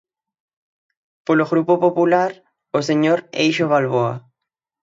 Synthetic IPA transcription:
poloɣɾupopopulaɾ | oseɲoɾejʃoβalβoa̰

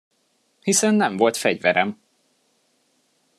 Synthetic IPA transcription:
hisɛnːɛɱvo̞lt̪fɛɟvɛɾɛm

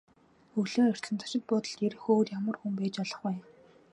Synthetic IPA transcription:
ɵɮeːɔr̥ʲt̪sɘ̆nt̪ʰḁʃɪ̆t̪̚pɔt̪ə̆ɮt̪eɾɘ̆xoːɮjamə̆rxumpæːt͡ɕɔɮɞ̆χuj

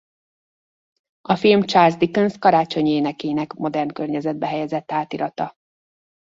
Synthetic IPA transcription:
ɒfilmt͡ʃaːrzd̪ikønskɒɾaːt͡ʃo̞ɲeːnɛkeːnɛkmo̞d̪ɛrnkørɲɛzɛd̪̚bɛɦɛjɛzɛt̪ːaːt̪iɾɒt̪ɒ

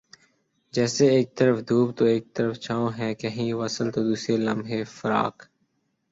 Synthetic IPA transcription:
d͡ʒɛːseeːk̚t̪əɾəfd̪ʱuːb̚t̪oːeːk̚t̪əɾəft͡ʃʰaːõɦɛ̃ːkəɦĩːʋəsəlt̪oːd̪uːsɾelə̃mbɦeːfəɾa̰ːk

